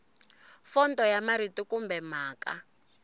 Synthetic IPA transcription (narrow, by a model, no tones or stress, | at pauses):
fɔntɔjamaɾitikumbɛm̤aːka̰